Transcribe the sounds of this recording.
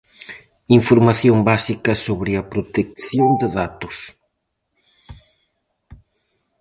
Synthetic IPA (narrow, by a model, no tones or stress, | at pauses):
iɱfoɾmaθjombasikɐsoβɾɪɐpɾot̪ek̚θjond̪ɪðat̪ʊs